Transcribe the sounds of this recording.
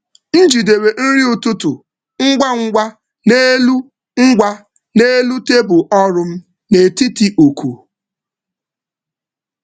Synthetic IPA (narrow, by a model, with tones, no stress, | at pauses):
n̩˦d͡ʒi˨de˨we˨n̩˦ɾi˦ʊ˨tʊ˦tʊ˨ | ŋ̩˦ɡʷa˦ŋ̩˦ɡʷa˦ | ne˦lu˦ | ŋ̩˦ɡʷa˦ | ne˦lu˦te˦bʊ˨ʔɔ˦ɾʊ˦m̩˦ | ne˨ti˦ti˦ʔo˨kʰṵ˨